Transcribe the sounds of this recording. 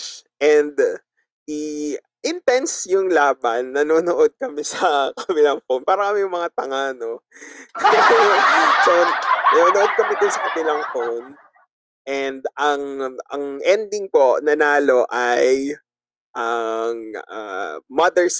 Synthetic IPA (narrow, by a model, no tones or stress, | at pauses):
ʔɛnd̪ | ʔi | ʔɪnt̪ɛnsjʊŋlaːbɐnːɐnoːnoʔod̪̚kɐmɛsɐkɐɐbɪlɐŋfownpaːɾɐkɐmɛjʊŋmɐŋat̪ɐŋano | kɐsɛɐt͡ʃonnɐnoːnoʔo̞d̪̚kɐmɪd̪ɪnsɐkɐbɪlɐŋfown | ʔɛnd̪ɐŋʔɐ̰ŋʔɛnd̪ɪŋpo̞nɐnaːlo̞ʔaj | ʔɐŋa̰mɐd̪ɛɹs